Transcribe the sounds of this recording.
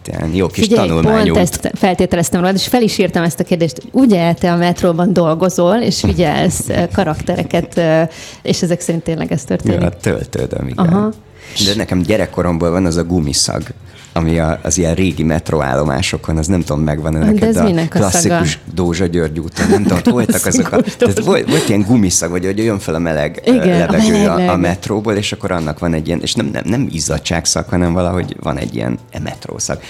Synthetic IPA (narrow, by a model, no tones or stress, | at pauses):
t̪ɛ̰njoːkiʃɟt̪ɒnulmpaoːnɲuɛst̪fɛlt̪eːt̪ɛlɛst̪ɛmroːlaːt̪eʃfɛliʃirt̪ɛmɛst̪ɒkeːrd̪eːʃt̪hoɟuːɟɛlt̪ɛɒmɛt̪roːbɒnd̪o̞lɡo̞zoleːʃfiɟɛ̰lskɒɾɒkt̪ɛɾɛ̰kɛt̪ː | eːʃɛzɛksɛɾint̪ːeːnlɛ̰ɡɛst̪ørt̪eːḭt̪ø̰lt̪ø̰ːd̪ø̰mḭɡɦɒ | d̪ɛnɛkɛmɟɛɾɛkːo̞ɾo̞mboːlvɒnɒzɒɡumḭsɒ̰ɡ | ɒmiɒ̰ːzijɛnreːɡimɛt̪roa̰ːlːo̞ma̰ːʃo̞kʰo̞nɒznɛmt̪oomːmɛɡvɒnɛɛdkɛt̪nklɒssːikuʃd̪oːʒɒɟørɟuːt̪onnɛmt̪omt̪olt̪ɒkɒzok̪aːt̪ʋolʋo̞lt̪ijɛŋɡumisɒɡvɒɟoɟjøɱfɛlɒmɛlɛɡɡlɛvɛɡøːɒːmɛt̪roːboːleːʃɒkːo̞ɾɒnːɒkʋɒnɛɟːijɛnʔḛːʃnɛmnʔɛ̰mnɛmizɒtt͡ʃa̰ːksɒ̰khɒnɛɱvɒlɒɦo̞̰ɟvɒ̰nɛ̰ɟːḭjɛ̰nmɛ̰t̪ro̰ːsɒ̰ɡ̥